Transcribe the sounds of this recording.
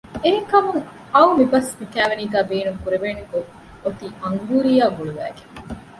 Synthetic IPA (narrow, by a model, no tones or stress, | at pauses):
eɦeŋkɐmuŋ | ɐuwmibɐsmikæːʋeniːɡæːbiːnuŋkuɾeʋeːneko | ot̪iːʔɐŋɡuːɾijaːɡuɭuʋæ̰ːɡeŋ